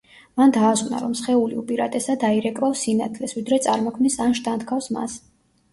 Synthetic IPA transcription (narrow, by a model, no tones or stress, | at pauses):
mand̪aːsʼna̰ɾɔmsχɛuliupʼiɾat̪ʼɛsad̪aiɾɛkʼɾafsinat̪ʰlɛsvid̪ɾɛt̪sʼaɾmɔkʰmnisanʃt̪ʰʼant̪kʰafsma̰s